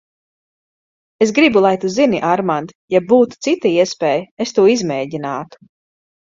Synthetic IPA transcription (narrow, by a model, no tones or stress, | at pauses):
esɡɾibulˠajt̪uziniʔaɾmand̪ | jab̚ːuːt̪u̥t̪sit̪aiɛspɛːjest̪uɔizmɛːɟinaːt̪u̥